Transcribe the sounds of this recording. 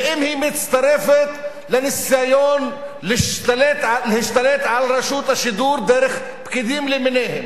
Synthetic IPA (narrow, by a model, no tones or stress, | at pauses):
ʔɪmhiːmɪt̪t͡st̪ɑɾɛfet̪ | lɪnɪsajoːn | lɪʃt̪alet̪lhɪʃt̪aleːt̪ʕalɾˤɑʃuːt̪aʃɪd̪uːɾd̪ɛɾɪx | bkɪd̪iːmlɪmneːhɪm